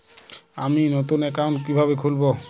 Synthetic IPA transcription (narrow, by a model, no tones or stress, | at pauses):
aminot̪unɛkawnkibʱaβekʰulbo